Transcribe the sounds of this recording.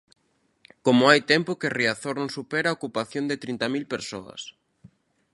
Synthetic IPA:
komoajt̪ɛmpʊkereaθoɾnõŋsupeɾaokupaθjond̪et̪ɾint̪amilpeɾsoɐ̰s

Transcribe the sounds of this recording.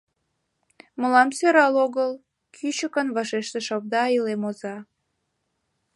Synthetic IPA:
məlɑmsøɾɑloɣəl | kʰyt͡ɕəkənβɑʃeʃt̪eʃɑβ̚d̪ɑilemozɑ

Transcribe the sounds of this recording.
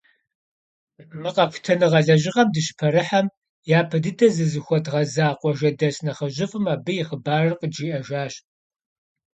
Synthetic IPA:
mɨqɐkʷʰtʰɐnɨʁɐɮɐʒɪʁɐmdɨɕɪ̥pʰɐɾɨħam | jaːpʰɐdɨdɐzɨzɨxʷɔtʁɐzaːqʷʼɔʒɐdɐɕnɐχɐʒɪfʼɨmaːbɨjɪχəbaːrɐrqəd͡ʒiːʔɐʒaːɕ

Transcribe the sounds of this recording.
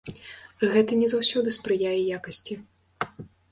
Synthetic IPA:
ɣɛt̪ɐnʲɛzawsʲɔd̪ɨspɾɨjajɛjakɐsʲt͡sʲi

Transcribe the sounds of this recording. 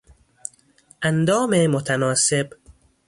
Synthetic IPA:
ʔænd̪ɒːmemot̪ʰænɒːseb

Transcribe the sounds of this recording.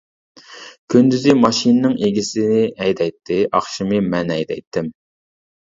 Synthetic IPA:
kʲʰynd̪yzɪmɑʃinɨnɪŋʔeɡʲisɪnɪɛjd̪ɛjt̪ʰːɪʔɑχʃimɨmɛnɛjd̪ɛ̰jt̪ʰːɪm

